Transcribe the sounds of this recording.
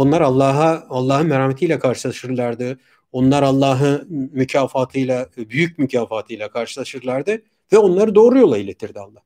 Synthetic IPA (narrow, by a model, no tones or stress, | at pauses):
onlˠaɾalˠːaːɦaalˠːaːɦɯnmeɾaːmet̪ʰijlʲɛkʰaɾʃɯlˠaʃɯɾlˠaɾd̪ɯ | o̞nlˠaɾalˠːaːɦɯnmycʰaːfaːt̪ʰɯjlˠabyjyc̚mycʰaːfaːt̪ʰɯjlʲˠakʰaɾʃɯlˠaʃɯɾlˠaɾd̪ɯ | vɛo̞nlˠaɾɯd̪o̞ːɾujo̞lˠailʲet̪ʰiɾd̪ialˠːah